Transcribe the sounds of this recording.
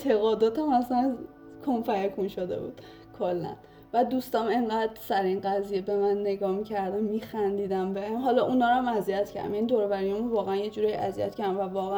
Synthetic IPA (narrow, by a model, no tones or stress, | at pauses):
t̪ʰeɣɒːd̪ɒːt̪ʰæmæsæn | kʰomfæjækʰunʃod̪ḛbṵːd̪̥ | kʰolːæ̰n | væd̪ust̪ɒme̞ŋɢæd̪ɾsæɾinɢæzijebe̞mænːe̞ɡɒːmicʰæɾd̪æmːixænd̪iːd̪æmbeemɦɒlɒʔunɒːɾæmæzijæt̪cʰæ̰ɾd̪æ̰mjænid̪oɾovæɾijemunvɒːɣeænjed͡ʒuːɾejʔæ̰ziæ̰t̪cʰæɾd̪æmvævɒːɣæ